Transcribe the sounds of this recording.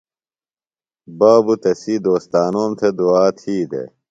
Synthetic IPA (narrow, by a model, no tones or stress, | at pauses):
baːbut̪ɐsiːd̪oːst̪aːnoːmt̪ʰed̪uaːt̪ʰiːd̪ḛ